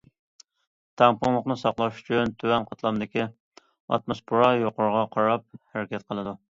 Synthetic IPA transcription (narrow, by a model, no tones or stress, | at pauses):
t̪ʰɛŋpʊŋlˠəqnɨsɑqlˠɑʃy̥t͡ʃʰynt̪ʰywɛnqʰɑt̪ʰlˠɑmd̪ɪkʲi | ɑ̰t̪̚mɨspʰuɾɑjoqʊɾʁɑqʰɑɾɑp̚hæɾɪkʲɛt̪̚qʰəlˠɨd̪u